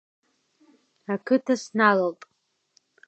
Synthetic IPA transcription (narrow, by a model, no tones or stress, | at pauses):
akʰɨtʰasnaloltʼ